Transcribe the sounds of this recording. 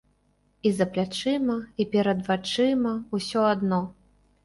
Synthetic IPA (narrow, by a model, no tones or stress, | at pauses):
izɐplʲat͡ʂɨmɐipʲɛɾɐd̪vat͡ʂɨmɐusʲɔad̪nɔ